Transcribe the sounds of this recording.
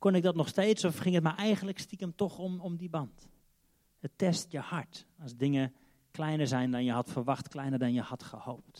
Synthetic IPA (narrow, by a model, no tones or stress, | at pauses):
konɪɡ̚dɔtnɔxsteːtsɔfχɪŋətmaɹʔɛjɣənləkstikəmtɔxɔmɔmdibɑnt | ətɛstjəhɑɹtɔsdɪŋə | klɛjnəɹzɛjndɑnjəɦɑtfərʋɑxtklɛjnəɹdɑnjəhɑtχəhowp̚t